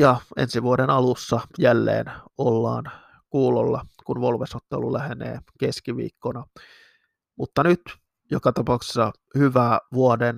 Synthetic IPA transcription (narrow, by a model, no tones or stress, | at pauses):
jɑḛnsiʋuodenɑlusːɑjælːḛːnolːɑ̰ːn | kuːlolːɑ̰kunʋolʋesot̪ːḛlulæhenḛːkeskiʋḭːkːonɑ | mut̪ːɑnyt̪ | jokɑt̪ɑpɑˑuksi̥sːɑ | hyʋæːʋuoden